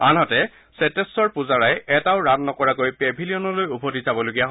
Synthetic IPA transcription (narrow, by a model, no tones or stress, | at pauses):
anɦɔtɛ | sɛtɛsɔɹpuzaɹajɛtaʊɹatnɔkɔɹakojpebʱiliɔnɔlojubʱodizabɔloɡijaɦ